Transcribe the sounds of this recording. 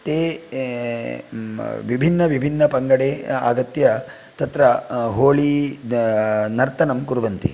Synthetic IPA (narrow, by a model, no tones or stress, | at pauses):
t̪eː | ʋibʱinːɐʋibʱinːɐpɐŋɡɐɽeːa̰ːɡɐt̪jɐ | t̪ɐt̪ɾɐɦoːɭi | nɐɾt̪ɐnɐmkuɾuʋɐnt̪ḭ